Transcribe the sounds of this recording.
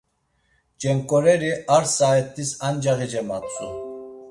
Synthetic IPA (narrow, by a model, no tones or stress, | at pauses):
d͡ʒɛŋkʼɔɾɛɾiaɾsaɛt̪ʰʼisand͡ʒaɣid͡ʒɛmat̪ʼu